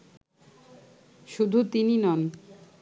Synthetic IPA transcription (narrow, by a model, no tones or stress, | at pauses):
ʃud̪ʱut̪ininɔn